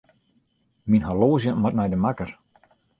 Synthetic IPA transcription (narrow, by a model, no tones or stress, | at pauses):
minhaloːzjəmat̚mɛjdəmakər